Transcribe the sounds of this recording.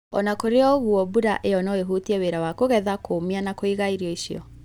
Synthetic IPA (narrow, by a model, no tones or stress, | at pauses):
ɔ̰nakoɾeɔɣuɔbuɾa̰ʔeɔnaeɦutiɛweɾawakoɣɛðakʰomianakoiɣaiɾiɔiɕiɔ̰